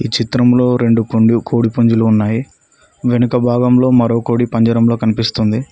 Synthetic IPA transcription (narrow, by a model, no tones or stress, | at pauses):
iːt͡ʃit̪ɾɐmlo̞ːɾe̞ɳɖukoɳɖukʰoːɽipuɲd͡ʒuluːnːaːji | ʋe̞nukɐbʱaːɡɐmlo̞ːmɐɾo̞ːko̞ːɽipɐɲd͡ʒɐɾɐmlo̞ːkɐnipist̪und̪i